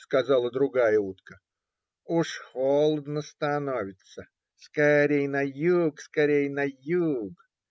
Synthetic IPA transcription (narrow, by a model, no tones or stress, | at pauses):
skɐzɑlˠəd̪ɾʊɡajəut̪kə | uʂxolˠəd̪nəst̪ɐnovʲɪt̪sə | skɐɾʲejnɐjukskɐɾʲejnɐjuɡ